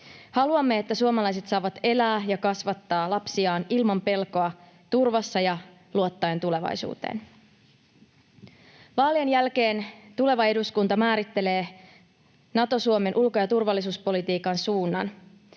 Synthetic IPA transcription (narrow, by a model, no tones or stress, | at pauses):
hɑluɑmːe̞et̪ːæsuomɑlɑjs̬e̞t̪sɑːʋɑt̪e̞læːjɑkɑsʋɑt̪ːɑːlɑpsiɑːnilmɑmpe̞lko̞ɑ | t̪urʋɑsːɑjɑ | luo̞t̪ːɑjent̪ule̞ʋɑ̰jsṵːt̪ḛːn | ʋɑːlienjælk̟e̞ːnt̪ule̞ʋɑe̞duskunt̪ɑmæːɾit̪ːe̞le̞ː | nɑt̪o̞suome̞nʔulko̞jɑt̪urʋɑlːisuːspo̞lit̪iːkɑnsuːnːɑn